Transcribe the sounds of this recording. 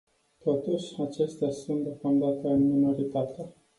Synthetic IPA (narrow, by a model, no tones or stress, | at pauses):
t̪o̞t̪uʃʲat͡ʃe̞st̪easunt̪d̪eokamd̪at̪əmino̞ɾit̪at̪ea